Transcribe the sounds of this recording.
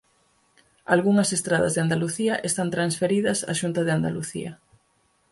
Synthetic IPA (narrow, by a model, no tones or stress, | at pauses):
alɣuŋɐsest̪ɾað̞ɐ̰zðeand̪aluθiɐʔest̪ant̪ɾansfeɾiðɐsa̰ʃunt̪ɐð̞eand̪aluθḭɐ̰